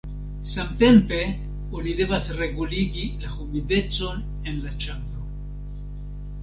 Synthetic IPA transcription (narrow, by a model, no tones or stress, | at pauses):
samte̞mpe̞ | onid̪e̞vasre̞ɡuliɡilahumide̞t͡so̞n | enlat͡ʃambɾo